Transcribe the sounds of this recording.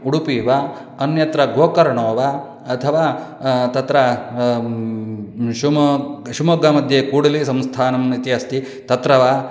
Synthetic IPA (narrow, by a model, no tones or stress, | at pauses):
uɽupiːʋa | ɐnjɐt̪ɾɐɡoːkɐɾɐɳoːʋɐː | t̪ʰɐʋaːt̪ɐt̪ɾɐ | ʃumʃumoːɡaːmɐd̪ʱjeːkuːɽɐlisɐmst̪ʰaːnɐmnit̪iɐst̪i | t̪ɐt̪ɾɐʋa